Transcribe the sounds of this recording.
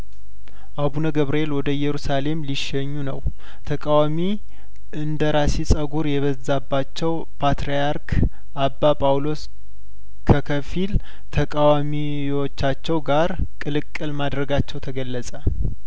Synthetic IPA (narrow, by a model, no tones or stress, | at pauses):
ʔaβunəɡəβɾəelwɔd̪əjɛɾusale̞mliʃɛɲːunəw | t̪ʰəkʼawami | ʔɨnd̪əɾasisʼəɡuɾjɛβəzːabːat͡ʃːɛw | pʰat̪ɾijaɾkʰ | ʔabːapʼawlo̞s | kʰəkʰəfil | t̪ʰəkʼawami | wot͡ʃːat͡ʃːɛwɡaɾ | kʼɨlɨkʼːɨlmad̪ɾəɡat͡ʃːɛwt̪ʰəɡəlːəsʼə